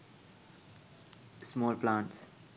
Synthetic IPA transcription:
smɔːlplãːɳʈs

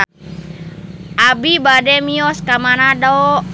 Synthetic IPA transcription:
ʔabibadɛmiɔskamanadaɔ

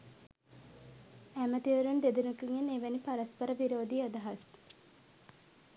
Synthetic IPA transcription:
æmət̪iʋəɾund̪ed̪unukiŋeneʋænipaɾɐspɐɾəʋiɾoːd̪iad̪ɐɦɐs

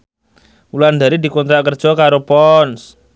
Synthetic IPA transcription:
uland̪aɾid̪i̤kɔnt̪ɾaʔkərd̥ʒ̥ɔ̤kaɾopɔns

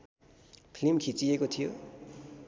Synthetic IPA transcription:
pʰlimkʰit͡siekot̪ʰijo

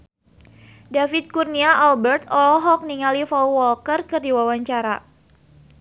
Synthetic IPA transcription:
dafit̪̚kurniaʔalbɛrt̪ɔlɔɦɔk̚niŋalifɔwwɔlkərkɨrdiwawaɲt͡ʃaɾa

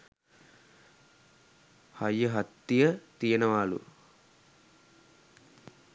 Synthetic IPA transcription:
hɐjəɦɐt̪ːijət̪ijənəʋaːlṵ

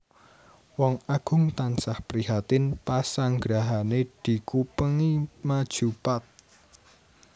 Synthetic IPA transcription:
wɔŋaɡ̥ʊ̤ŋt̪ansahpəɾiɦat̪ɪnpasaŋɡɾaɦaned̪̥i̤kupəŋimad̥ʒ̥ṳpat̪̚

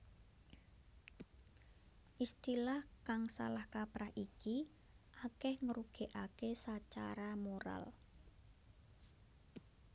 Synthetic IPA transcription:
ʔist̪ilahkaŋsa̰lahkapɾahiki | ʔakɛhŋəɾuɡ̥e̤ʔakesat͡ʃa̰ɾamoɾa̰l

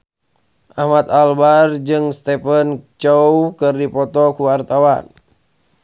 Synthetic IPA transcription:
ʔahmat̪albard͡ʒɨŋst̪ɛpənt͡ʃɔwkɨrdipɔt̪ɔkuwart̪awan

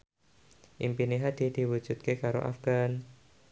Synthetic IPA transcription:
ʔḭmpiniɦad̪̥id̪̥i̤wu̥d͡ʒ̥ut̪̚kekaɾo̰ʔa̰fɡ̥an

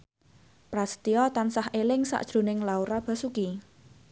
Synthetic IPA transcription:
pɾast̪iɔt̪ansahʔelɪŋsa̰ʔd̥ʒ̥ɾo̤nɪŋlauɾab̥a̤suki

